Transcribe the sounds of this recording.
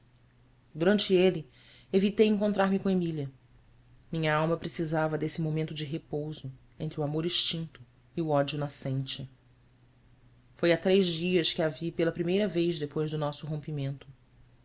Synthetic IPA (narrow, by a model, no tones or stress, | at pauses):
d̪uɾɐ̃nt͡ʃɪelɪ | evit̪ejẽŋkõnt̪ɾaɾmɪkõemiliɐ | mĩɲɐawmɐpɾesizavɐd̪esɪmomẽnt̪ʊd͡ʒɪɦepowzʊ | ẽnt̪ɾuamoɾiʃt͡ʃĩnt̪ʊ | iuɔd͡ʒiʊnasẽnt͡ʃɪ | fojat̪ɾejʒd͡ʒiɐskɪavipelɐpɾimejɾɐvejzd̪epojʒd̪ʊnɔsʊɦõmpimẽnt̪ʊ̥